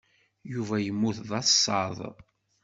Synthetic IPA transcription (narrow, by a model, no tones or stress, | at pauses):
juvæjəmːuθðˤɑθsˤːɑðˤ